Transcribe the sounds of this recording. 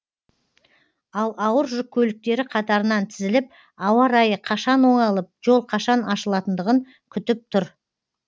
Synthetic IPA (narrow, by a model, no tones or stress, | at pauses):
ɑlˠɑwəɾʒʊp̚kʲʰɵlɪk̚t̪e̞ɾɪqʰɑt̪ɑɾənɑnt̪ʰɪzɪlɪp̚ | ɑwɑɾɑjəqʰɑʃɑnwo̞ɴɑlˠəp̚ʒ̥o̞lˠqʰɑʃɑnɑʃəlˠɑt̪ənd̪əʁəŋ | kʲʰʏt̪ɪp̚t̪ʰʊɾ